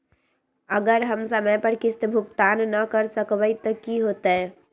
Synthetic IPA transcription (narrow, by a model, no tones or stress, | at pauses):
əɡəɾɦəmsəməjpəɾkɪst̪bʱʊkt̪aːnnəkəɾsəkbəit̪əkiɦot̪ɛ